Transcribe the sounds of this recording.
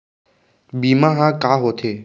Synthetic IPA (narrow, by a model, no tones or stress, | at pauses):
biːmãːɦãːkaːɦoːt̪ʰeː